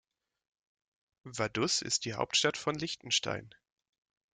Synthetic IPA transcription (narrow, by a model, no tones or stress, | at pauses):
vadʊsɪ̰st̚d̥iːha̰ʊp̚tʃtatfɔnlɪçtn̩ʃta̰ɪn